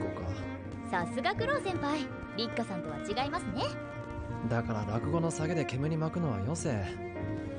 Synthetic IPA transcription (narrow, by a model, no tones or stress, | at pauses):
koka̰ | sasɨɡakɯ̟ɾo̞ːsẽ̞mpai | ɾʲikːasãnt̪o̞βat͡ɕiɡaimasɨne̞ | d̪akaɾabakɯ̟ɡo̞no̞saɡe̞d̪e̞ke̞mɯ̟ɲ̟imakɯ̟no̞βa̰jo̞seː